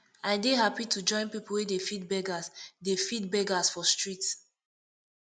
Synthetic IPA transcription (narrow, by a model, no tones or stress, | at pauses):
aɪdeɦapitʰud͡ʒɔ̃ɪ̃npipl̩wɛdefitbɛɡasdefit̚bɛɡasfɔstɹits